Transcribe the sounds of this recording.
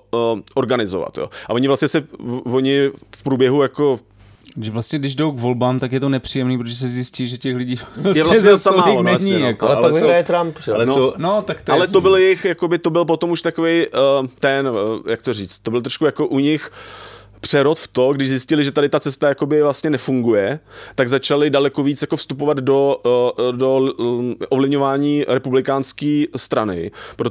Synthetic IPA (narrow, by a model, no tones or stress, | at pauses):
ʔo̞ɾɡanɪzova̰t̪jo̰ːʔavo̞ɲɪvlastɲɛsɛvoɲɪfpɾuːbjɛɦujako̞ | ʒɛvlast̪ɲɛɡdɪʒdowkvo̞lbaːmt̪akjɛt̪onɛpr̥iːjɛmniːp̬ɾot̪oʒɛsɛzjɪsciːʒɛcɛxlɪɟiːjɛvlaɲɛosamaːɪlonɛɲijakolaajɛt̪ɾampʒɛlɛnoonot̪akt̪alɛt̪obɪljɛjɪxjako̞bɪt̪o̞bɪlp̬o̞t̪omuʃt̪ako̞vejt̪ɛnjak̚t̪oriːt͡st̪̚t̪ːo̞bɪlt̪ɾoʃkujakoʔuɲɪx | pr̝̥ɛɾot̪ft̪o̞ɡdɪʒzɪscɪlɪʒɛt̪adɪt̪at͡sɛst̪ajako̞bɪvlast̪ɲɛnɛfuŋɡujɛt̪aɡzat͡ʃalɪdalɛkoviːt͡sjakofst̪upo̞vad̪do̞ | do | ʔovlɪvɲo̞vaːɲiːɾɛpublɪkaːnskiːst̪ɾanɪ̰pɾo